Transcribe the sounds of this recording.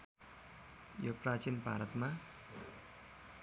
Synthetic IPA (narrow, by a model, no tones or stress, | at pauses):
joprat͡ɕinbʱaɾʌt̪ma